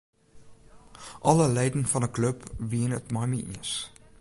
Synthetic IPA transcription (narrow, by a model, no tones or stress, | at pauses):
ʔɐləlɛjdənfɐnəkləpviənətmɑjmiʔḭəs